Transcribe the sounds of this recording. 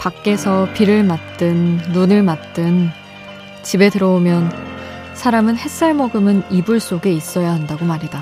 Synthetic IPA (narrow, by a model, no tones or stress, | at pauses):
pak̚k͈e̞sʰʌpiɾɯɭmat̚t͈ɯnːunɯɭmat̚t͈ɯn | t͡ɕibe̞tɯɾʌomjʌn | sʰaɾamɯnhe̞k̚s͈aɭmʌɡɯmɯnibuɭs͈oɡe̞is͈ʌjaɦandaɡomaɾida